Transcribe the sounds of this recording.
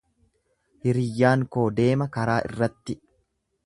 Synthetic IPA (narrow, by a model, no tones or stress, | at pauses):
hɪɾɪjːaːŋko̞ːd̪e̞ːmɐkɐɾaːʔɪ̰rːɐt̪ːɪ